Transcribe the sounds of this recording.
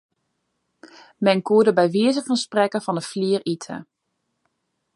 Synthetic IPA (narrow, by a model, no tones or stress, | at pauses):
mɛnkuədəbɛjʋiəzəχəsprɛkəvɔndəfliəritʰə̰